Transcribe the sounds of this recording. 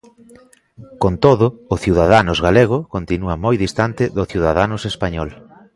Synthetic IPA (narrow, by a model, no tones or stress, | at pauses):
kont̪oðʊːθjuwðaðanʊzɣaleɣ̞ʊkont̪inuamojðist̪ant̪ɪðʊθjiuwðaðanʊsespaɲɔl